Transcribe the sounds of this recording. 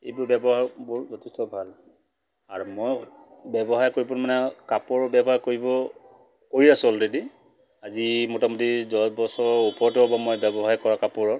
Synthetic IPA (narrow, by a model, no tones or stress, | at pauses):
ejbʊɹbɛbɔɦaɹbʊɹzɔtʰistɔbʱal | aɹumɔj | bɛbɔɦaɹkoɹipʊnmanɛkapʊɹɔbjɛbɔɦaɹkoɹibɔ | koɹiasʊɔldedi | azimɔtamɔtizɔbɔsɔupɔɹtɔbamɔjbɛbɔɦaɹkɔɹakapʊɹɔ